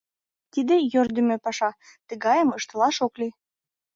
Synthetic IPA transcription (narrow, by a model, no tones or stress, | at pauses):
t̪id̪ejørd̪əmø̆pɑʃɑ | t̪əɣɑjəməʃt̪ə̆lɑʃokli